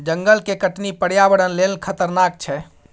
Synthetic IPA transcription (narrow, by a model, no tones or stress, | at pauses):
d͡ʒəŋɡəlkekəʈnipəɽ̤jabəɽənlelkʰət̪əɾnak̚t͡ʃʰɛ